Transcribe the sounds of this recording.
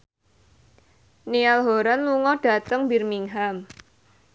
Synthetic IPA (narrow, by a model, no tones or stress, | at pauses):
nialɦoɾanluŋɔɖ̥a̤t̪əŋbirmiŋɦam